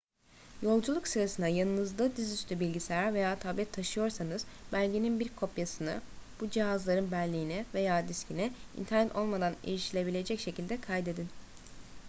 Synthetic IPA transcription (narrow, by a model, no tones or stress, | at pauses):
jo̞lˠd͡ʒulˠuksɯɾasɯnd̪ajanˠnɯzd̪ˠɯd̪izyst̪ʰybilʲɟisejave̞jaːt̪ʰablʲɛt̪ʰːaʃɯjo̞ɾsanɯz̥bælʲɟeninbiɾkʰo̞pjasɯnɯb̥ud͡ʒiɦazlˠaɾɯnbælʲːijinɛve̞jaːd̪iscʰʲinɛḭnt̪ʰæɾnɛt̪ʰo̞lˠmad̪anḭɾiʃilʲe̞bilʲe̞d͡ʒɛcʃe̞cʰilʲd̪ɛkʰajd̪e̞d̪in